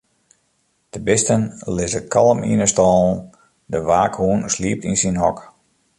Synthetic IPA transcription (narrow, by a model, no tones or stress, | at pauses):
d̥əbɪstənlɪsəkʰɑlˠəmḭnəstɔːln̩ | dəʋaːkhuənsliəp̚tinsinɦɔk